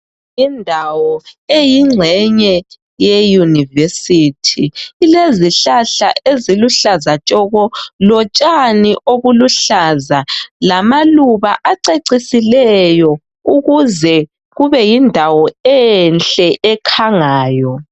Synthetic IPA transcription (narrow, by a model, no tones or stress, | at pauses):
indʱawɔejiŋ͡ǀʱɛɲɛ | jejunivesitʰiːleziɬaɬa̰ʔeziluɬazat͡ʃʼɔɣɔlɔt͡ʃʼaniʔoɣuluɬazalamaluβaʔaǀeǀisilɛjɔ | uɣuzɛ | ɣuβɛjindʱawɔɛnɬʼɛʔɛkʰaŋaːjɔ